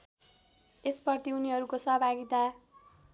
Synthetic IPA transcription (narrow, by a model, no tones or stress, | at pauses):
espʌrt̪iuniɦʌɾukosʌɦbʱaɡit̪a